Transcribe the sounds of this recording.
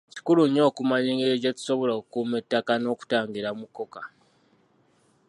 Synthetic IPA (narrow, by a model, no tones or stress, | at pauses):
ci̥kuluɲo̞ːkumaɲiːŋɡeɾeɟatu̥so̞βo̞lokukuːmetːakano̞ːku̥taːŋɡiɾamukːo̞ka